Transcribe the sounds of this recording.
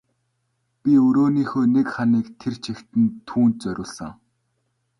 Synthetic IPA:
pʲiɵɾoːniːxoːnekχaniːkt̪ʰert͡ɕʰext̪ɘ̆nt̪ʰuːnt̪t͡sœɾʲʊːɮsə̆ŋ

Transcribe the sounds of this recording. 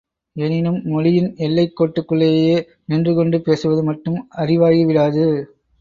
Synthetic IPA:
ɛnɪnɯmːɔɻɪjɪnɛlːɐɪkːoːʈːɯkːɯɭːeːjeː | nɪndrɯkɔɳɖɯpeːsɯʋɐðɯmɐʈːɯmɐrɪʋaːjiʋɪɽaːðɯ

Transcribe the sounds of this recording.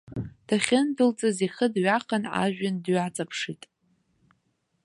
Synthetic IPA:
d̥aχʲɪndɨlt͡sʼaziχədɥaqʰana̰ʒᶣandɥat͡sʼapʰʂitʼ

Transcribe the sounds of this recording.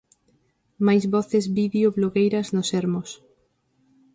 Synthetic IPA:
majzβɔθezβiðeoβloɣejɾɐznoseɾmos

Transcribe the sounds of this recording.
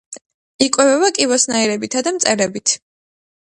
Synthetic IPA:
ikʼwɛvɛbakʼivɔsnaiɾɛbit̪ʰad̪amt̪sʼɛɾɛbit̪ʰ

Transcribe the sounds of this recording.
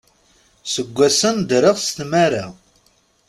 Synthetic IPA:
səɡʷːæsənd̪ɾəʁst̪maɾa

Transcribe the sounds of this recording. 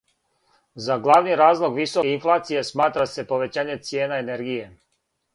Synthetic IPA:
zaɡlˠaʋniɾaːzlˠo̞ɡʋisoinflˠaːt̪sije̞smaːt̪ɾase̞po̞ʋe̞t͡ɕaːɲe̞t̪sje̞ːnaene̞ɾɡije̞

